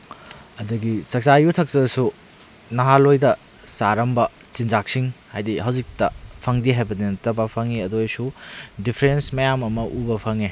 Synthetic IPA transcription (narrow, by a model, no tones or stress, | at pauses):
ɐdɐɡisɐk̚sajutʰɐk̚tɐdɐsu | nɐɦalojdɐ | saɾɐmbɐ | t͡ʃinzak̚siŋhajdiɦɐwzik̚tɐ̰pʰɐŋdiɦajbɐdinɐtɐbɐpʰɐŋiɐdojsudipʰɾensmɐjamɐmɐʔubɐpʰɐŋi